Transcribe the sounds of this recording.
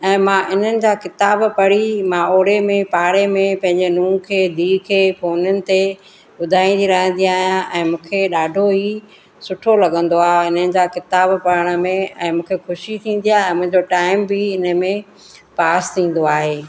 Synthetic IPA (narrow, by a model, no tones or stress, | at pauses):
ɛ̃ːmãʔɪn̤ənɪ̆d͡ʑaːkɪt̪aːbpɐɽimãoːɽemẽpaːɽemẽpɐ̃ɦɪ̃ɲd͡ʑenũːkʰeːd̪ʱiːkʰeːfoːnʊnɪ̆t̪e | ɓʊd̪ʱaːĩnd̪iɾɐɦə̃nd̪iaːɦijãʔɛ̃ːmũːkʰeɗaːɖʱoɦi | sʊʈʰolɐɠə̃nd̪oaːɪn̤ənɪ̆d͡ʑaːkɪt̪aːbpɐɾəɽ̃ə̆mẽɛ̃ːmũːkʰexʊʃit̪ʰĩːn̆d̪ijaɛ̃ːmʊ̃ɦɪ̃ɲd͡ʑoʈaːɪmbɪɪnə̆mẽ | paːst̪ʰĩːn̆d̪oaːɦeː